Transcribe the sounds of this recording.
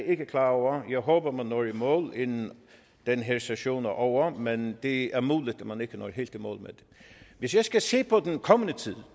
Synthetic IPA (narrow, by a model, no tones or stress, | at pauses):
ɪ̝ɡ̥əkʰlɑːɒʊɐjæɪɦɔːb̥ɐmænːɔːɹimɔ̰ːlenn | d̪̥enɦeɐseɕo̝̰ːnʔɒʊɐmend̪̥eæɐmuːlid̥æmæneɡ̥ənɔ̰ːɦḛld̥imɔ̰ːlmḛd̥̪eʋɪsjaɪsɡ̥æse̝̰ːpʰɒd̥̪enkʰɒmənət͡sʰiðˠ